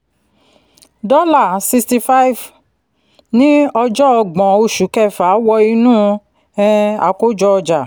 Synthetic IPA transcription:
dɔ˦la˦˨si˧sti˧fa˦i˦˨v | nĩ˦ɔ˧d͡ʒɔ˦ɔ˧ɡ͡bɔ̃˨o˧ʃu˨˦kɛ˦˨fa˨˦wɔ˧i˧nũː˦ | ɛ˦˧a̰˨ko˦d͡ʒɔ˦ɔ˧d͡ʒa˨

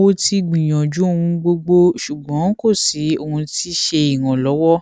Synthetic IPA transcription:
wo˧ti˧ɡ͡bĩ˨j̃ɔ̃˨d͡ʒu˨˦o˦˧hũ˧ɡ͡bo˧ɡ͡bo˧ʃu˨ɡ͡bɔ̃˨˦ko˦˨si˨˦o˧hũ˧ti˦ʃe˧i˨wɔ̃˨lɔ˨˦wɔ˦

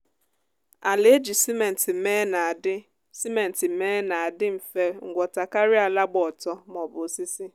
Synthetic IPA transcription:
a˨le˦e˦d͡ʒi˨si˦me˨n̩˨tɪ˨me˦na˨dɪ˦ | si˦me˨n̩˨tɪ˨meː˦na˨a˨dɪ˦m̩˨fe˦ŋ̩˨ɡʷɔ˨ta˨ka˦ɾi˦a˨la˦ɡ͡bɔ˦˨tɔ˦mɔ˨bʊ˨si˦si˦

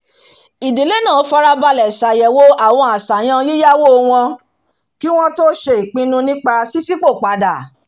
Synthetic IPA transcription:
i˨di˨le˨˦nãː˦˨o˧˦fa˧ɾa˧ba˧lɛ˨sa˨jɛ˨wo˦a˨w̃ɔ̃˧a˨sa˨j̃ã˧˦li˦ja˦wo˦˧w̃ɔ̃˧ | ki˦w̃ɔ̃˦to˦ʃe˧i˨k͡pĩ˧nũ˧nĩ˦k͡pa˧si˦si˦k͡po˦˨k͡pa˧da˨

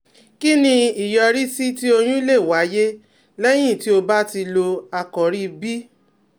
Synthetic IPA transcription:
ki˦nĩ˧i˨jɔ˧ɾi˦si˦ti˦o˧j̃ũ˦i˦le˦˨wa˨˦je˦ | lɛ˦j̃ĩ˦˨ti˦o˧ba˦ti˧lo˧a˧kɔ˨ɾi˦bi˦

